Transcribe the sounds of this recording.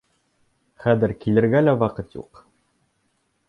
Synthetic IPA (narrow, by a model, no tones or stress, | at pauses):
χæðɘ̆ɾkilɘ̆ɾɡælæwɑqɤt̪jṵq